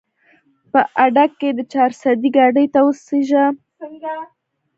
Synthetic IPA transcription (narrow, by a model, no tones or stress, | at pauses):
pəʔaɖakːed̪ət͡ʃɑɾsad̪iɡɑɖəjt̪awəseʒa